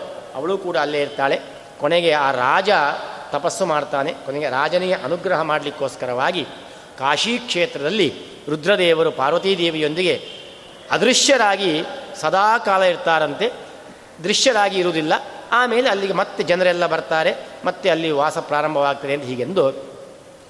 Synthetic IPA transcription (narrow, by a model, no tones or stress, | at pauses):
ɐʋɐɭuːkuːɽɐːlːeːiɾt̪aːɭe̞ | koneɡe̞aːɾaːd͡ʒɐt̪ɐpɐsːumaːɖt̪aːnekoneɡeɾaːd͡ʒɐnijɐʔɐnuɡɾɐɦɐmaːɽɐlikːo̞ːskɐɾɐʋaːɡi | kaːʂiːkʂeːt̪ɾɐd̪ɐlːi | ʋɾud̪ɾɐd̪ɛːʋɐɾupaːɾʋɐt̪iːd̪eːʋijo̞nd̪iɡe̞ | ɐd̪ɾiʂjɐɾaːɡisɐd̪aːkaːlɐiɾt̪aːɾɐnt̪e̞ | d̪ɾiʂjɐɾaːɡiːɾuːd̪ilːɐaːme̞ːleɐlːiɡemɐt̪ːe̞d͡ʒɐnɾɐɛlːɐbɐɾt̪aːɾe̞mɐt̪ːeɐlːiʋaːsɐpɾaːɾɐmbʱɐʋaːɡ̚t̪ɐd̪eɐnt̪ɐɦiːɡe̞nd̪u